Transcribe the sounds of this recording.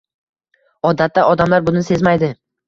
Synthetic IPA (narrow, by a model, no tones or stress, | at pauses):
ɒd̪at̪ʰːaʔɒd̪amlaɾbʊnɪnse̞zmajd̪ɪ